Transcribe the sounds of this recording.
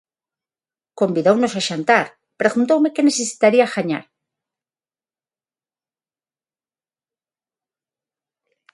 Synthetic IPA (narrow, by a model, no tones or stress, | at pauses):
ko̞mbiðowno̞saʃant̪aɾ | pɾeɣunt̪̬owme̞kene̞sesi̥t̪aɾiaxaɲa̰ɾ